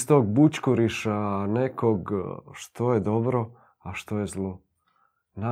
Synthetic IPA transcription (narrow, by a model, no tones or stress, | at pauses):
st̪oɡ̚but͡ɕkuɾiʃanekoɡʃt̪o̞jed̪obɾo | aʃt̪ojezlˠo | na